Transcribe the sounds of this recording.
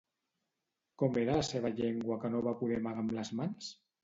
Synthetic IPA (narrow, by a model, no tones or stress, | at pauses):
kɔmeɾaləseβ̞əʎeŋɡwəkənoβapuðɛmaɣamləzmans